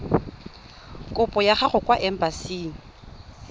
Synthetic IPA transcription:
kʼʊpʼɔjaχaχʊkʼwaʔɛm̩basiːŋ̩

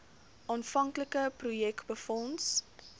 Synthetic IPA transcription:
ʔɑːnfɐŋkləkəprujɛkbəfɔns

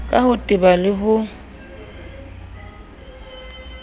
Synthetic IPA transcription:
kʼahʊtʼɪbalɪɦʊ

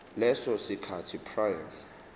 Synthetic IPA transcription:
lɛsɔsikʰatʰipʰraja

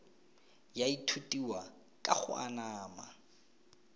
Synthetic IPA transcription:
jaitʰutʼiwa | kʼa̰χʊ̰a̰naːma

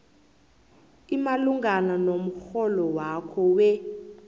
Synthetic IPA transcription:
imaluŋɡananom̩xɔlɔwakʰɔwɛ

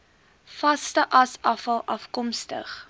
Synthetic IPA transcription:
fɐstəʔɐsɐfɐlˠɐfkɔmstə̰χ

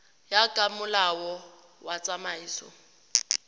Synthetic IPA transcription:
jakʼamʊlawɔ | wat͡sʼamaiːsɔ̰

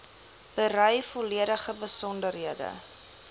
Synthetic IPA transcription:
b̥əɾœjfɔliəɾəχəbəsɔndərɦiədə̰

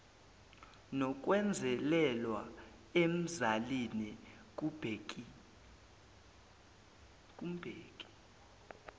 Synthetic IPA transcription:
nɔk̬ʼwɛnd͡zʱɛlɛlwa | em̩zalini | k̬ʼubʱ | kʼum̩b̥ʱeːkʼi̥

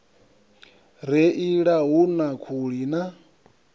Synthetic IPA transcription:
ɾɛʔiɺaɦunakʰuɺina

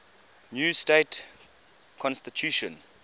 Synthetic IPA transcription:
njuːstet | kʰɔ̃nstitʰjuʃə̃n

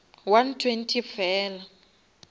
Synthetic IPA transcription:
wantʰwentʰifɛːla

